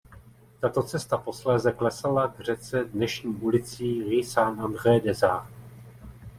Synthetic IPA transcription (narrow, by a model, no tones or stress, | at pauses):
t̪at̪o̞t͡sɛst̪apo̞slɛːzɛklɛsalavr̝ɛt͡sɛdnɛʃɲiːʔulɪt͡siːʁɪsaːnʔand̪rɛjdɛzaː